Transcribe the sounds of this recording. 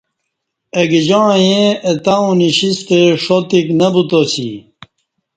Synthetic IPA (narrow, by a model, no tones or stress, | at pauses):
eɡed͡ʑaːjẽet̪aũniɕist̪eʂot̪iknɐbut̪osḭ